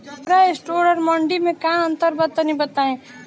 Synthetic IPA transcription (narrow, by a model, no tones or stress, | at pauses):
pɾaesʈoːɾəɾmə̃ɳɖimẽkãə̃nt̪əɾbəd̪ənĩbət̪aːẽ